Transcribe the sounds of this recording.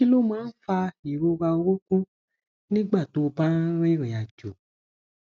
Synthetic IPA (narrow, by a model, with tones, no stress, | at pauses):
i˦lo˦mãː˦n̩˦fa˧i˨ɾo˧wa˧o˧wo˦kũ˦ | nĩ˦ɡ͡ba˦˨to˨˦˧bã˦ɾe˦ɾĩ˨a˨d͡ʒo˨